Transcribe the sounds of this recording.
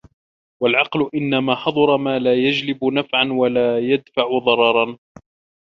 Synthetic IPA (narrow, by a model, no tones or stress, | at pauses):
walʕɑqlʊʔɪnːamaːħɑd̪ˤɑɾˤɑmaːlaːjad͡ʒlɪbʊnafʕanwalaːjad̪faʕʊðˤɑɾˤɑɾˤɑn